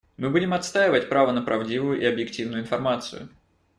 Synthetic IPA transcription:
mɨbudʲɪmɐt̪st̪ajɪvət̚ʲpɾavənəpɾʔɐvdʲivʊjʊʔɪɐbjɪktʲivnʊjʊɪnfɐrmat̪sɨ̰jʊ̰

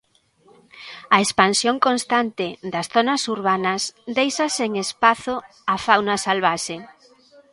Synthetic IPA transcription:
ɐespansjoŋkonst̪ant̪ɪðɐsθonɐsuɾβanɐsd̪ejʃɐseŋespaθo | afawnɐsalβaʃe

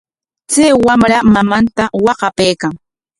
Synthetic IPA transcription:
t͡sajwamɾamamant̪awɑqɑpejkaŋ

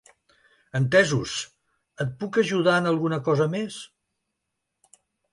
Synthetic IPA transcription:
ənt̪ɛzus | ət̪̚pukəʒuð̞aənəlˠɣunəkɔzəmes

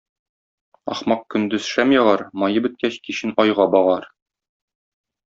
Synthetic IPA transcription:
ɒ̰χmɑq̚kɵ̆nd̪ɵz̥ʃæmjɑʁɑɾmɒjɤbɵ̆t̪̚kæɕkiɕɘnɒjʁɑbɒʁɑɾ

